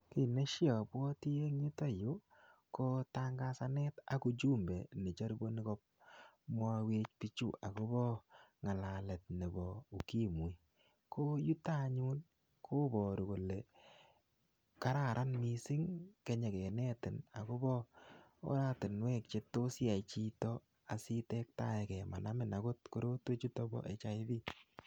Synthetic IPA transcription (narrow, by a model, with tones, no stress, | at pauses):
ki˨ne˦ʃjɔ˨pwɔ˦ti˦e˦ŋɲi˦tɔ˦jo˦ | ko˦ta˦ŋɡa˦sa˦nɛ˦ta˨ku˦t͡ʃu˦mbe˨ne˨t͡ʃɔ˦ɾi˦bo˦ni˦kɔ˦p̚mwɔ˧we˦t͡ʃpi˦t͡ʃṵ˦˨ʔa˨ko˦bɔ˦ŋa˨la˨lɛ˨t̚ne˨bɔ˨u˨ki˦mu˨j | kʰo˦ju˦ta˦ɲu˦n | kʰo˦bɔ˨ɾu˨ko˨le˨ | ka˦ɾa˨ɾʔa˦nmi˨sɪ˦ŋke˨ɲɛ˨kɛ˨nɛ˦tɪ˨na̰˨ko˦bɔ˦o̰˦ɾa˦tɪ˨nwɛ˦k̚t͡ʃe˦to˦si˦a˨jt͡ʃi˦tɔ˦ | a˨si˦tɛ˦k̚ta˦˨ɛ˨kɛ˨ma˨na˦mɪ˦˨na˨ko˦tko˦ɾo˦te˦t͡ʃu˦tɔ˦bɔ̰˦ʔḛ˨t͡ʃa˦ɪ˦ði˦